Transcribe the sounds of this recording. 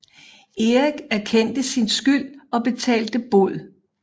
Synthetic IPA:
e̝iɡ̥æɐkʰen̰d̥əsinsɡ̥yl̰ɒ̽b̥e̝t͡sʰɛ̰ːld̥əb̥o̝ð̰ˠ

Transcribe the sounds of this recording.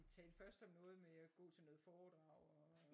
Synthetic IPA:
t͡sʰɛ̰̥nfɶɐsd̥əmɔ̽ːð̞ˠəmeæɡ̥ɔ̰̽ːt͡sʰe̝lnɔ̽ːð̩ˠfɒːd̥ʁɑ̈ʊ̰ɒ

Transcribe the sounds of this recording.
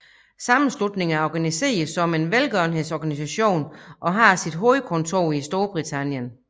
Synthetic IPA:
sɑ̈mn̩slud̥ne̝ŋæɐɒːɡ̥ænise̝̰ːɐð̩ˠsɒ̽me̝nʋelɡ̥œɐn̩ɦe̝ð̰ˠsɒɡ̥ænis̬æɕo̝̰ːnʔɒ̽ɦɑ̈sid̥ɦo̝ːðˠəkʰɔ̽nt͡sʰo̝̰ːisd̥o̝ːɐb̥ʁit͡sʰæn̰jən

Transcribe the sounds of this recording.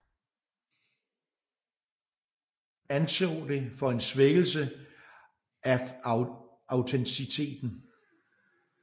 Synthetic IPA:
ænsɔːd̥e̝fɒ̽e̝nsʋeɡ̥l̩sə | ʔæ | ɑ̈ʊt͡sʰensit͡sʰe̝̰ːd̥n̩

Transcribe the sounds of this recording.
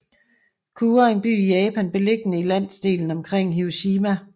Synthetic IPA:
kʰuːɐe̝nb̥y̰ːijɛːpʰænb̥e̝le̝ɡ̥ənəilæn̰sd̥e̝̰ːln̩ɒ̽mkʰʁeŋ̰ɦioɕiːmæ

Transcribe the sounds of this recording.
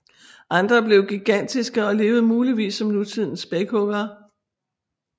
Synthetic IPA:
ʔɑ̈nd̥ʁɐb̥le̝ʊɡ̥iɡ̥æn̰d̥isɡ̥əɒ̽le̝ːʊð̞̩ˠmuːliʋḭːsːɒ̽mnut͡sʰið̞̰ˠn̩sb̥eɡ̥ɔɡ̥ɐː

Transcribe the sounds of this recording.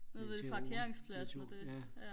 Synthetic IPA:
neðe̥pʰɑ̈kʰe̝ɐeŋspʰlæsnəd̥e̝jæ

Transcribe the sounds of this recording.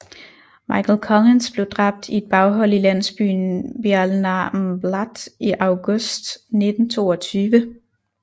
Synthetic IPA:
mɑ̈ɪkʰl̩kʰɒlensb̥le̝ʊd̥ʁɑ̈b̥̚d̥ie̝d̥̚b̥ɑ̈ʊɦɒ̽l̰ilæn̰sb̥y̰ːn̩bælnɑmblɑd̥iʔɑ̈ʊɡ̥ɔsd̥ne̝d̥n̩t͡sʰo̝̰ːɒt͡sʰyːʋə

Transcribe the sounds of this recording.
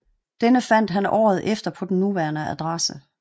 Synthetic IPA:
d̥enəfæn̰d̥ɦænɒ̰ːð̞̩ˠʔefd̥ɐpʰɒ̽d̥n̩ːuʋæːɐnəæd̥ʁɑsə

